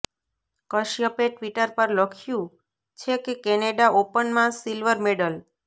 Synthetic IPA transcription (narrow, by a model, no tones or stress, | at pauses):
kəʃjəpeʈʋiʈəɾpəɾləkʰjũ | t͡ʃʰekekɛneɖaʔopənmãsilʋəɾmeɖəl